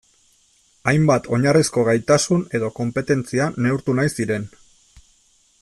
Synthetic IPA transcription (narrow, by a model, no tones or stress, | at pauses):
ajmbat̪ʰo̞ɲarisko̞ɣajt̪asune̞ðo̞ko̞mpe̞t̪e̞nt͡siane̞uɾt̪unajsiɾe̞n